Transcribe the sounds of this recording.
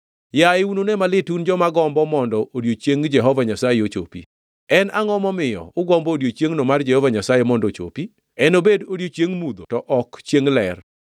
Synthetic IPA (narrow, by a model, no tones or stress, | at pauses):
jaɪunonɛmalɪtund͡ʒɔmaɡɔmbɔmɔndɔoɾjot͡ʃjeŋd͡ʒɛɦɔvaɲasajeot͡ʃo̰pḭ | ɛnaŋɔmɔmɪjɔ̰ʊɡɔmbɔoɾjot͡ʃjeŋnomard͡ʒɛhɔvaɲasajemɔndot͡ʃo̰pi | ɛnobedoɾjot͡ʃjeŋmud̪otɔʔɔkt͡ʃjeŋlɛr